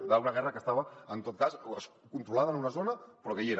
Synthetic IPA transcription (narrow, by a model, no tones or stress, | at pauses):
ðaunɐɣɛrəkəst̪aβəənt̪ot̪̚kasəskunt̪ɾulaðənunɐzonəpɾɔkəieɾ